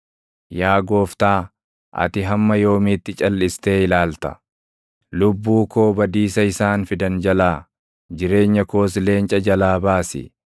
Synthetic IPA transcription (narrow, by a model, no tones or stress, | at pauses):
jaːɡo̞ːft̪aː | ʔɐ̰t̪ɪɦɐmːɐjo̞ːmɪːt̪ːɪt͡ʃʼɐlːɪst̪e̞ːɪlaːlt̪ɐ̥ | lʊbːuːko̞ːbɐd̪iːsɐɪsaːnfɪd̪ɐnd͡ʒɐlaː | d͡ʒɪɾe̞ːɲːɐko̞ːs̬le̞ːnt͡ʃʼɐd͡ʒɐlaːbaːsɪ̰